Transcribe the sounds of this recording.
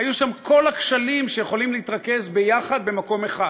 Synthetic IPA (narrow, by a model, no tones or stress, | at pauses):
ajuʃamkʰo̞lakʃalimʃejeχo̞limleitʁake̞zbe̞jaχad̪̚be̞mako̞meχa